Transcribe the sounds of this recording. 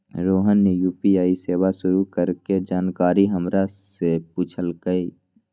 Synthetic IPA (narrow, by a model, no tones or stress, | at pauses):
ɾoːɦənːjuːpiaːiseːwaʃʊɾukəɾked͡ʒaːnkaːɾiɦəmɾasepuːt͡ʃʰəlɡəi